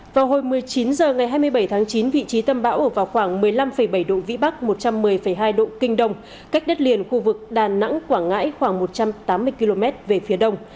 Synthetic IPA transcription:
vaː˨˩wɦo˧˨˩jmɨ˨˩əjt͡ɕi˨˦nzəː˨˩ŋa˨˩jɦaː˧jmɨ˧əjɓə˧˩jt̪ʰaː˨˦ŋt͡ɕi˨˦nvḭ˧˨t͡ɕi˨˦t̪ə˧mɓa̰ː˧˥wʔəː˧˩vaː˨˩wxwaː˧˩ŋmɨ˨˩əjla˧mfə˧˩jɓə˧˩jɗo̰˧˨vḭ˧˥ɓa˦˥k̚mo˨˩t̚t͡ɕa˧mːɨ˨˩əjfə˧˩jɦaː˧jɗo̰˧˨kï˧ŋ̟ɗə˧wŋ͡m | ka˦˥k̚ɗə˦˥t̚li˨˩ənxu˧vɨ˨˩k̚ɗaː˨˩na̰˧˥ŋkwaː˧˩ŋŋa̰ː˧˥jxwaː˧˩ŋmo˨˩t̚t͡ɕa˧mt̪aː˨˦mːɨ˧əjki˧lo˧mɛ˦˥t̚ve˨˩fi˨˦ɗə˧wŋ͡m

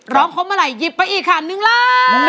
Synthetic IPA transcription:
ɾɔː˦˥˩ŋkʰo˧˥mʔaː˧ɾa˨˩jːi˧˩pːa˧˥jʔiː˨˩kʰːaː˨˩nːɯ˧ŋla˧˩˧

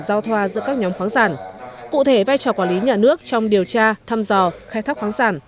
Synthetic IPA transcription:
zaː˧wt̪ʰwaː˧zɨ̰˧˥əkaː˦˥k̚ɲɔ˨˦mxwaː˨˦ŋzaː˧˩nkṵ˧˨t̪ʰe˧˩vaː˧jt͡ɕɔː˨˩kwa˧˩li˨˦ɲaː˨˩nɨ˦˥ək̚t͡ɕɔ˧wŋ͡mɗi˨˩əwt͡ɕaː˧t̪ʰaː˧mzɔ˨˩xaː˧jt̪ʰa˦˥k̚xwaː˨˦ŋzaː˧˩n

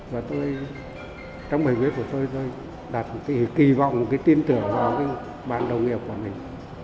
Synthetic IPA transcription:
vaː˨˩t̪o˧j | t͡ɕɔ˧wŋ͡mɓə˨˩jki˨˦t̚ku˧˩ət̪o˧jt̪o˧j | ɗa˨˩t̚mo˨˩t̚ka˨˦ki˧˩va̰˧˨wŋ͡mmo˨˩t̚kaː˨˦jt̪i˧nt̪ɨ˧˩əŋvaː˨˩wka˨˦ | ɓaː˨˩nɗə˨˩wŋi˨˩˨əp̚ku˧˩əmï˨˩ŋ̟

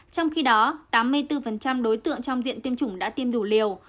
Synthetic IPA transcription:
t͡ɕɔ˧wŋ͡mxi˧ɗɔ˨˦t̪aː˨˦mːɨ˧əjt̪ɨ˧fə˨˩nt͡ɕa˧mɗo˨˦jt̪ɨ̰˧˨əŋt͡ɕɔ˧wŋ͡mzḭ˧˨ənt̪i˧əmt͡ɕʊ˧˩ŋ͡mɗa̰ː˧˥t̪i˧əmɗu˧˩li˨˩əw

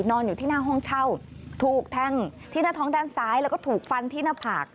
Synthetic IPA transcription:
nɔː˧njuː˨˩t̪ʰiː˥˩naː˥˩ɦɔ˥˩ŋt͡ɕʰa˥˩wt̪ʰuː˨˩k̚t̪ʰɛ˧ŋt̪ʰiː˥˩naː˥˩t̪ʰɔː˦˥ŋdaː˧˩˨nsaː˨˦˥jlɛ˦˥wkɔ˥˩t̪ʰuː˨˩k̚fa˧nt̪ʰiː˥˩naː˥˩pʰaː˨˩k̚

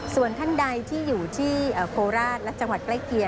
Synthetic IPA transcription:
su˨˩ənt̪ʰa˥˩nda˧jt̪ʰiː˥˩juː˨˩t̪ʰiː˥˩ʔaː˨˩kʰoː˧ɾaː˥˩t̪̚lɛ˦˥ʔt͡ɕa˧ŋwa˨˩t̪̚kla˥˩jki˨˧ə

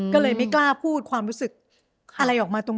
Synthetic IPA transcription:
kɔː˥˩lɤː˧jma˥˩jklaː˥˩pʰuː˥˩t̪̚kʰwaː˧mɾuː˦˥sɯ˨˩k̚ | ʔa˧ɾa˧jʔɔː˨˩k̚maː˧t̪o˧ŋ

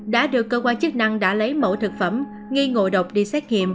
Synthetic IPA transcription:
ɗa̰ː˧˥ɗɨ˨˩əkːəː˧kwaː˧nt͡ɕɨ˦˥k̚na˧ŋɗa̰ː˧˥lə˨˦jmo̰˧˩t̪ʰɨ˨˩k̚fə˧˩m | ŋi˧ŋo̰˧˨ɗə˨˩wk͡p̚ɗi˧sɛ˦˥t̚ŋḭ˧˨əm

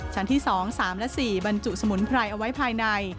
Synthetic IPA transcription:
t͡ɕʰa˦˥nt̪ʰiː˥˩sɔː˩˦ŋsaː˩˦mlɛ˦˥ʔsiː˨˩ba˧nt͡ɕu˨˩ʔ̚sa˧mu˩˦npʰɾa˧jʔa˧wa˦˥jpʰaː˧jna˧j

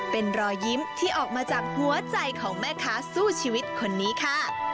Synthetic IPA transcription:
pe˧nɾɔː˧jji˦˥mt̪ʰiː˥˩ʔɔː˨˩k̚maː˧t͡ɕaː˨˩k̚hu˨˩˦ɐt͡ɕa˧jkʰɔː˩˦ŋmɛː˥˩kʰaː˦˥suː˥˩t͡ɕʰiː˧wi˦˥t̪̚kʰo˧nːiː˦˥kʰa˥˩

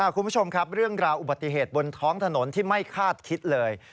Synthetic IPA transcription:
a˧˥˩kʰu˧npʰu˥t͡ɕʰo˧mkʰa˦˥p̚ɾɯ˥˩əŋɾaː˧wʔu˨ba˨˩t̪ːi˨˩ɦeː˨˩t̪̚bo˧nt̪ʰɔː˦˥ŋt̪ʰa˧no˩˦nt̪ʰiː˥˩ma˥˩jkʰaː˥˩t̪̚kʰi˦˥t̪̚lɤː˧j

